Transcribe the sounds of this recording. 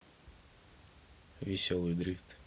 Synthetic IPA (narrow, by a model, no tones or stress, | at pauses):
vʲɪsʲolˠɨjd̪ɾʲift̪